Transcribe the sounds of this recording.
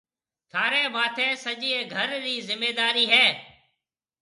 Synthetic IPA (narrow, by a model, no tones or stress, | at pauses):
t̪ʰaːɾeːʋaːt̪ʰẽːsəʄiːẽːɡʱəɾɾiːzɪmːeːd̪aːɾiːɦɛː